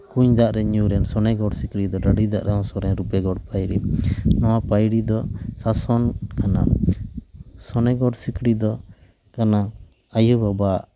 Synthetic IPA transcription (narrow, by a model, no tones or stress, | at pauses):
kuɲd̪aʔɾɛɲuɾɛnsɔnɛɡɔɽsikɽid̪ɔɖaɽid̪a̰ʔɾʔɛɔ̃sɔɾɛɲɾupɛɡɔɽpajɽḭmnɔwapajɽid̪ɔsasɔnkana̰ | sɔnɛɡɔɽsikɽid̪ɔ | kana | ajubaba